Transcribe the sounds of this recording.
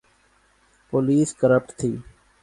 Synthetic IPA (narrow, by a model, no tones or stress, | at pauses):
poːliːskəɾəp̚ʈt̪ʰiː